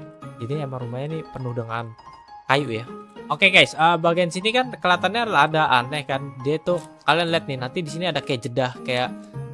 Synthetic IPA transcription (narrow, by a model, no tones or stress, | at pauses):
d͡ʒadiamaɾumaɲanipənʊhdəŋan | kajuʔjaokeɡajsəbaɡajənsinikankəlat̪anɲadlaɦadaʔanɛhkandiait̪ukalianlɛt̪̚nɪnant̪idisiniadakajaʔd͡ʒədahkajaʔ